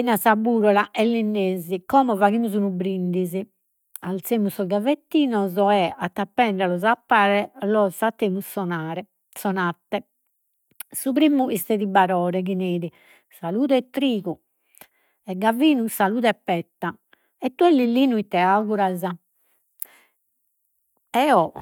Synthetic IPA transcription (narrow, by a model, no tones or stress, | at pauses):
ɛnasabuːɾɔlaʔɛlːinːeːzikɔmɔvaɣimuzunubɾind̪izi | alt̪seːmusːɔɡavet̪ːiːnɔzɔɛat̪ːapːɛɳɖ̪ɛlɔzapːaːɾɛlɔsat̪ːeːmusɔnaːɾɛ | sɔnat̪ːɛ | supɾiːmuist̪ɛðibaɾɔːɾɛkineːɾi | saluːt̪ɛt̪ːɾiːɣu | ɛɡːaviːnusaluːt̪ɛpːɛt̪ːa | ɛt̪ːuɛlːilːinuit̪ːɛaɣuɾaza | ɛɔ